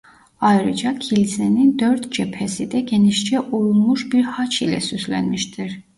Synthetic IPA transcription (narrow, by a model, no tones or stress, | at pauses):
ɑjɾid͡ʒɑkʰilzɛnind̪œɾt̪ʰd͡ʒɛpʰɛsid̪ɛɡɛniʃt͡ʃʰɛʔujumuʃbiɾhat͡ʃʰilɛ̰syslɛ̰nmiʃd̪ɛɾ